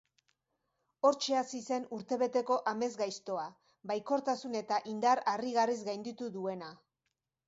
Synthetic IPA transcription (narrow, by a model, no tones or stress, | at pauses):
o̞ɾt͡ʃe̞asise̞nuɾt̪e̞βe̞t̪e̞ko̞ʔame̞zɡajst̪o̞a | bajko̞ɾt̪asune̞t̪aʔind̪aɾariɣarizɡajnd̪it̪uðue̞na